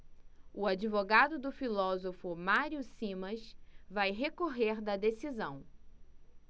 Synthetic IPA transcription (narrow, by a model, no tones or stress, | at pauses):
ʊad͡ʒivoɡad̪ʊd̪ʊfilɔzofʊmaɾiʊsĩmɐsvajɦekoɦeɾd̪ɐd̪esizɐ̃w̃